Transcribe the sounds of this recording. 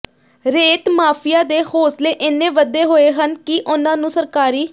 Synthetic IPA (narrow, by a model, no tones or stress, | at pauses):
ɾeːt̪maːpʰɪjaːd̪eːhoːsleːʔɪnːẽːʋəd̪eːɦoːeːɦənkiʔʊnãːnũːsəɾkaːɾiː